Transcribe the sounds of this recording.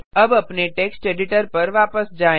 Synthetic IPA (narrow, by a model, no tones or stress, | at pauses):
əbəpneʈeksʈeɖiʈəɾpəɾʋapəsd͡ʒa